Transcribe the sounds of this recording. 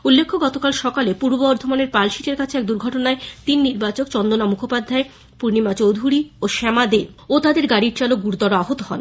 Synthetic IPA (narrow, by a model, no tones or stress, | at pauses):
ulːekʰːoɡɔt̪okalʃɔkalepuɾbboɔɾd̪ʱomaneɾpalʃiʈeɾkat͡ɕʰeɛk̚d̪uɾɡʱɔʈonaet̪inːiɾbat͡ɕokt͡ɕɔnd̪onamukʰopad̪ʱae | puɾnimat͡ɕowd̪ʱuɽioʃɛmad̪e | ot̪ad̪eɾɡaɽiɾt͡ɕalok̚ɡuɾd̪ɔɾoaɦot̪oɦɔ̰n